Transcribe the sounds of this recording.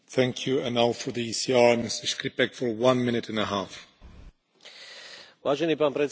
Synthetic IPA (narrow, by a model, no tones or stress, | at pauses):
θæ̃ŋkʰjuə̃nalfɔɹðiisiɑɹmɪstə˞ʃkɾipɛkfɔ˞wãnmɪ̃nɪtɨ̃nəɦaf | ʋaːʒɛniːpaːnpɾɛt͡s